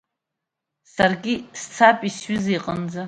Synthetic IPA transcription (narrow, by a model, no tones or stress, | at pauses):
sarɡʲist͡sʰapʼisɥʏzejqʼənd͡za